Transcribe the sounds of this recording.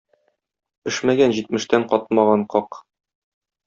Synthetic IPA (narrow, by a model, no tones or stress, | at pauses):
bɘ̆ʃmæɡænʑit̪̚mɘ̆ʃt̪æɴqɒt̪̚mɑʁɑɴqɒq